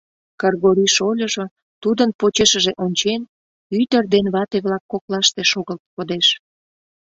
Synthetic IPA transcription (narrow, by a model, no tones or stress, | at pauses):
kərɣoɾiʃolʲəʒo | t̪ud̪ənpot͡ɕeʃəʒeʔonʲt͡ɕen | yt̪ərd̪enβɑt̪eβlɑkːoklɑʃt̪eʃoɣəlt̪̚kod̪eʃ